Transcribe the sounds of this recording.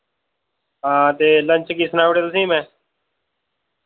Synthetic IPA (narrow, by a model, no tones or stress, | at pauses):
ɦãːt̪eːləɲt͡ʃkiːsənaːʋəʈeːt̪ʊsĩːmɛ̃ː